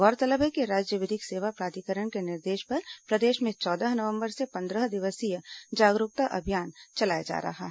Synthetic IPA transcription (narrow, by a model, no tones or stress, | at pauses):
ɡɔːɾt̪ɐləbekeɾaːd͡ʒjəʋed̪ɪkseːʋapɾaːt̪ikəɾəɳ̃kenɪɾd̪eːʃpɐɾpɾɐd̪eːʃmẽt͡ʃɔːd̪əɦnɐʋə̃mbəɾsepɐ̃nd̪ɾəɦd̪ɪʋəsijəd͡ʒaːɡɾʊk̚t̪aʔɐbʱijaːnt͡ʃɐlaːjad͡ʒa̰ːɾɐ̰ɦaɦɛ